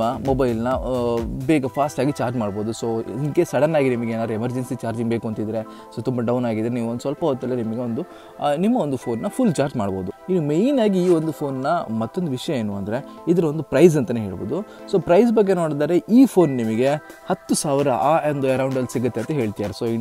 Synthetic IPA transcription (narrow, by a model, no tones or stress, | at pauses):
ɐmobɐjlnɐ | beːɡɐpʰaːsʈaːɡit͡ʃaːɾd͡ʒmaːɽbo̞ːd̪usoːinkesɐɽɐnːaːɡinimɐɡeeːnaːɾuemɐɾd͡ʒensit͡ʃaːɾd͡ʒiŋɡbeːkuɐnt̪id̪ɾe | soːt̪umbɐɖɐwnaːɡid̪ɾeniːʋund̪usʋɐlpɐɦoːt̪ːɐlːɐnimɐɡe̞o̞nd̪u | nimːɐond̪upʰo̞ːnːɐpʰulːt͡ʃaːɾd͡ʒmaːɽbo̞ːd̪uinːumejnaːɡiiːond̪upʰoːnːɐmɐt̪ːond̪uʋiʂɐjɐe̞ːnuɐnd̪ɐɾe̞id̪ɐɾɐo̞nd̪upɾɐjz̬ɐnt̪ɐneɦe̞ːɭbo̞̰ːd̪u | so̞ːpɾɐjzbɐɡːe̞no̞ːɽd̪aːɾe̞ʔiːpʰo̞ːnnimɐɡe̞hɐt̪ːusaːʋɾɐaːɐnd̪uɐɾɐwɳɖɐlsiɡɐt̪ːeɐnt̪ɐɦe̞ːɭt̪ijaːɾesoːi